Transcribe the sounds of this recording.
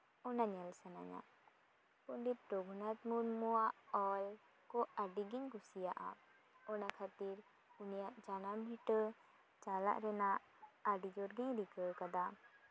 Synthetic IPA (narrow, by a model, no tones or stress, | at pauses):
ɔnaɲalsana̰ɲa̰ | pɔnɖit̪̚ɾɔɡʱunat̪muɾmuaʔɔl | kɔaɖiɡiɲkusijaʔa̰ | ɔnakʰat̪iɾ | unijaʔd͡ʒanamɦiʈə | t͡ʃala̰ʔɾɛnaʔ | aɖid͡ʒɔɾɡɛɲɾikəkad̪a